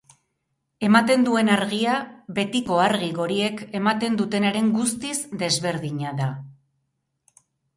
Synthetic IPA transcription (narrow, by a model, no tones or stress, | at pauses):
e̞mat̪e̞nd̪ue̞naɾɣiaβe̞t̪iko̞aɾɣiɣo̞ɾie̞ke̞mat̪e̞nd̪ut̪e̞neɾe̞ŋɡust̪izd̪e̞zβe̞ɾðiɲaða